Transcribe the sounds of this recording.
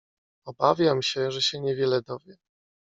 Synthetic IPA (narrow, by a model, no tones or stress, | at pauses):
ɔbavʲjamɕɛʐɛɕɛɲɛvʲjɛlɛd̪ɔvʲjɛ